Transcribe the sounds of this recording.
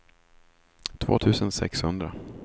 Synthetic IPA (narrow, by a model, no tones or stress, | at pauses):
t̪ʰvo̰ːt̪ʰʉ̟ːsənsɛ̰kshɵnd̪ɾa